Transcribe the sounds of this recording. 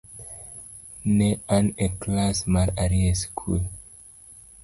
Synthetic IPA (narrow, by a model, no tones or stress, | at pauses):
neʔãneklasmalaɾieskʰṵl